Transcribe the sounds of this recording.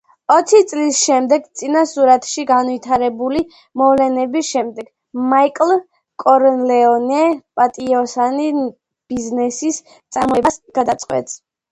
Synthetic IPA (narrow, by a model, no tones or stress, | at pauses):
ɔt̪sʰit̪sʼlisʃɛmd̪ɛɡt̪sʼinasuɾat̪ʰʃiɡanvit̪ʰaɾɛbuli | mɔvlɛnɛbisʃɛmd̪ɛɡ | maikʼlˠ | kʼɔɾɔnlɛɔnɛpʼat̪ʼiɔsani | b̥iznɛsis | t̪sʼaɾmɔbasɡ̥ad̪at̪sʼqʼwɛ̰t̪ʼs